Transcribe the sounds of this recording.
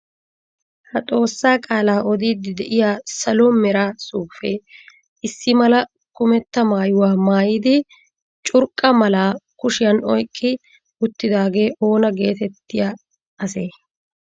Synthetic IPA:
hɐt̪ʼo̞ːsːaːkʼaːlaːʔɔd̪iːd̪ɪd̪ɛʔɪjaːsɐlomɛɾaːsuːfeː | ɪsːɪmɐlɐ | kʊmɛt̪ːɐmaːjʊwaːmaːjɪːd̪ɪ | t͡ʃʼʊɾkʼːɐmɐlaːkʊʃɪjɐnɔjkʼːɪ | ʊt̪ːɪd̪aːɡe̞ːʔo̞ːnɐɡe̞ːt̪ɛt̪ːɪja | ɐse̞ː

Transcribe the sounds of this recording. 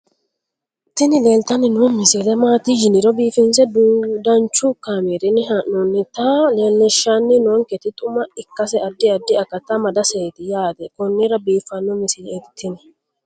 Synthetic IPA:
t̪ːɪnɪle̞ːlt̪ɐnɪnɔmɪsed̪ɛmaːt̪ɪd͡ʒɪnɪɾɔbiːfɪns̬ɛdd̪ɐnt͡ʃːʊkameːɾɪnɪɦɐnɔnːɪt̪ɐleːlːɛʃːanːɪnɔŋkɛt̪ɪt̪ʼʊmɐɪkːɐsɛɐd̪ːɪɐd̪ːɪɐkːɐt̪ːɐmɐd̪ɐseːt̪ɪjaːd̪ɛkɔnːɪɾɐbiːfːɐnːɔmɪsɪd̪ɛɪt̪ʰːɪnɛ

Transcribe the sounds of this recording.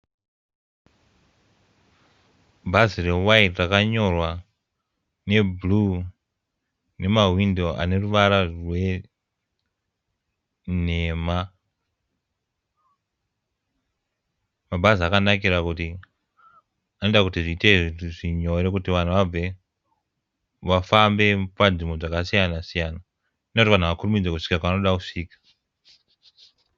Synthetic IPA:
bʱazire̞waitrakaɲo̞rwa | ne̞blu | ne̞mawindo̞a̰ne̞ruʋaɾarwe̞ | neːma | mabʱaziakanak̬iɾakuti | anendakutiʐiːteʐiɲo̞ɾe̞kutiʋan̤uʋab͡ve̞ | ʋafambe̞pad͡zimo̞d͡zakasijanasijana | nekutiʋan̤uʋakurumid͡zekuʂi̥kakaʋano̞ɗakuʂiːkḁ

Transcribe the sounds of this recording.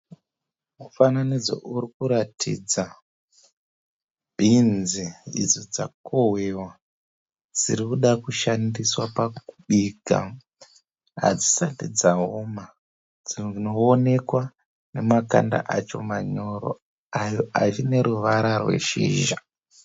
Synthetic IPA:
mufananid͡zo̰ʔuɾikuɾatʰḭd͡za | bʱinziḭd͡zod͡za̰kʰoɦwe̞wa | d͡ziɾikuɗakuʃandiswapakuɓiɡa̰ | ɦa̰d͡zisatid͡zaɦoma | d͡zino̞ːne̞kwa | ne̞maka̰nda̰ʔat͡ʃo̞̰maɲo̞ɾo̰ | ajoat͡ʃine̞ɾuʋaɾarwe̞̰ʃḭːʒa

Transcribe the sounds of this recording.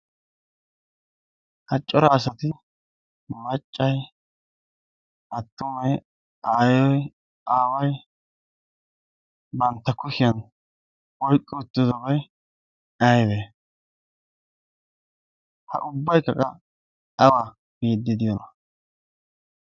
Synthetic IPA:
hɐt͡ʃʼːɔɾaːs̬ɐt̪ɪ | mɐt͡ʃʼːɐj | ʔɐt̪ːʊmɐj | aːjɔj | aːwɐj | bɐnt̪ːɐkʊʃɪjɐn | wɔjkʼːɪʊt̪ːɪd̪ɔbɐj | ɐjd̪eː | hɐ̰ʔʊbːɐjkɐ̰kʼɐ | ɐwa | biːd̪ːɪd̪ɪjɔnɐ

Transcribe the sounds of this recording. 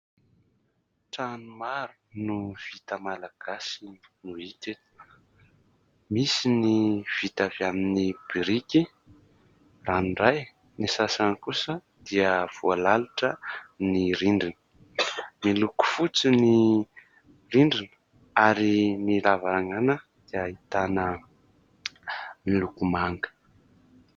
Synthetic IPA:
ʈ͡ʂanumaɾu̥nuv̥it̪əmalaɡ̥asin | nuit̪et̪ | misiniv̥it̪avjaminib̥iɾiki | ranɳɖ͡ʐaj | nisasanikusə | d̪̥iəv̥ualaluʈ͡ʂəniɾiɳɖ͡ʐinə̥ | miluku̥fut͡sini | riɳɖ͡ʐinə̥ | aɾimilavaɾaŋanə | d̪̥iəit̪anə | milukumaŋɡə̥

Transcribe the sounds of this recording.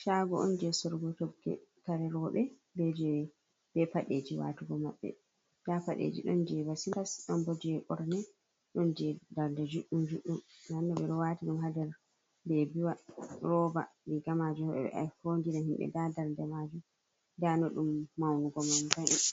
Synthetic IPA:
ʃaɡɔʔɔnd͡ʒɛsɔɾɡɔtɔɡɛ̰kaɾɛɾɔɓɛ | bɛd͡ʒɛ | b̥ɛpaɗed͡ʒiwa̰tuɡɔmaɓːɛ̰ | d̥apaɗḛd͡ʒḭɗɔnd͡ʒɛbasilasɗɔnbodiɛʔɔɾnɛ | ɗɔnd͡ʒɛdaɾdɛd͡ʒuɗːumd͡ʒuɗːumnanːɔbɛɗɔwaːtiɗumɦadɛɾ | bɛbiwaɾɔba̰liɡamad͡ʒuhɔɓɛ̰ɓɛ̰ʔa̰fondinahimɓɛ̰dadaɾdɛmad͡ʒu | danɔɗumːawnuɡɔmambajʔɛ

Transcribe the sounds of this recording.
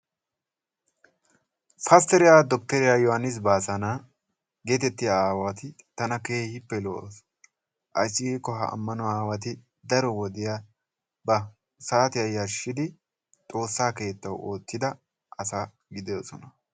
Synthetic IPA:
fɐst̪ɛɾɪjaːd̪ɔk̚t̪ɛɾɪjaːjɔhɐnːɪs̬baːsɐna | ɡe̞ːt̪ɛt̪ːɪjaaːwat̪ɪt̪ɐnɐkeːhɪpːɛlos | ʔɐt͡ʃʼːɪɡiːkːɔɦɐ̰ʔɐ̰mːɐnɔaːwɐt̪̬ɪ | d̪ɐɾɔwɔd̪ɪja | bɐ | saːt̪ɪjɐjːɐʃɪd̪ɪ | t̪ʼo̞ːsːaːke̞ːt̪ːɐwoːt̪ːɪd̪ɐ | ʔɐsaː | ɡɪd̪ɛjoːsɔnɐ

